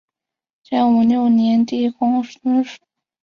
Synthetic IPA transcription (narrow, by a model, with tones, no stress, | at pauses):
t͡ɕɛ˥˩nu˨˩ljo˥˩ʊnjɛ˧˥nt̪i˥˩kʊ˥ŋʂ̩˥ʂ